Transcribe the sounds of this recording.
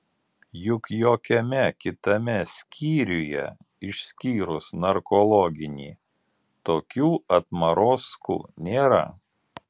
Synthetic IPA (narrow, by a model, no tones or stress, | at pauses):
jʊkjoːkʲɛmʲɛkʲɪt̪ɐmʲɛsʲkʲʰiːɾʲʊjɛ̰ | ɪʃʲsʲkʲiːɾʊsnɐɾkɔlˠɔɡʲɪnʲḭː | t̪oːkʲuːɐt̪mɐɾoːskṵːnʲeːɾɐ̰